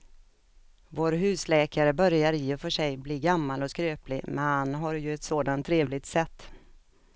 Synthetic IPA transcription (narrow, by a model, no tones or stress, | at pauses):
voːɾɦʉ̟ːslɛːkaɾəbœɾjaɾiːɛfœʂɛjbliːɡamːalɔskɾøːplɪmɛnhanɦaɾjɵɛt̪soːd̪ant̪ʰːɾeːvlɪt̪sɛt̪ː